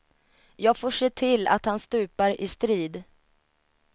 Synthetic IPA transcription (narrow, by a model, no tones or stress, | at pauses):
jɑːɡfoːʂeːt̪ʰɪlːa̰t̪hanst̪ʉ̟ːpaɾɪst̪ɾiːd̪